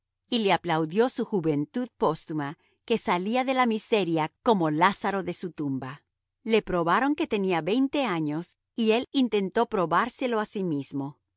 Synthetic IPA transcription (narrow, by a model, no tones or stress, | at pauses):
ile̞aplawðjo̞suxuβe̞nt̪uðpo̞st̪uma | ke̞saliaðe̞lamise̞ɾjako̞mo̞lasaɾo̞ðe̞sut̪umba | le̞pɾo̞βaɾo̞ŋke̞t̪e̞niaβe̞jnt̪e̞aɲo̞s | ie̞lint̪e̞nt̪o̞pɾo̞βaɾse̞lo̞asimizmo̞